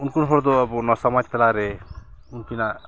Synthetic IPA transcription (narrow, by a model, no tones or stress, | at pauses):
unkunɦoɾd̪oːbɔnɔsɔmap̪elaɾeunkina